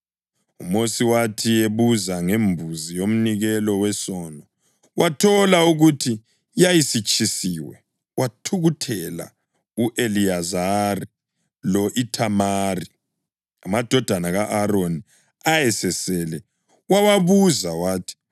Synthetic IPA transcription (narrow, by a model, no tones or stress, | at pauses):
umosiwatʰieβuzaŋembʱuzijom̩niɣɛlɔwɛsɔːnɔ | wʔatʰɔlauɣutʰi | jajisit͡ʃʼʰisiːwɛ̰ | watʰuɣutʰɛla̰ | uʔeliazari | lɔʔitʰamari | amad̥ʱɔd̥ʱanaɣaʔaɾoni | ajɛsɛsɛlɛ | wawaβuzawaːtʰi̥